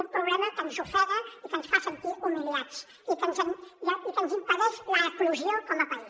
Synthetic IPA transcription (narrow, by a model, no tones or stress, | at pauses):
umpɾuβlɛməkənzufɔðəikənsfasənt̪iʔumillat͡ʃ | ikənzəmʒaikənzimpəðɛʃləːkluʒiokɔməpa